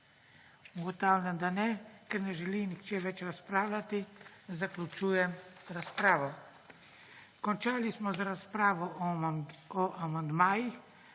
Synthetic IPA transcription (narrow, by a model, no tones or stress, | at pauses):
uɡɔt̪aːwlʲjamd̪anɛkɛɾnɛʒɛlinixt͡ʃɛːʋɛt͡ʃɾaspɾaːwlʲat̪izaklʲut͡ʃujɛmɾaspɾaːʋɔ | kɔnt͡ʃaːlismɔzaɾaspɾaːʋɔ | ɔʔamand̪maːjix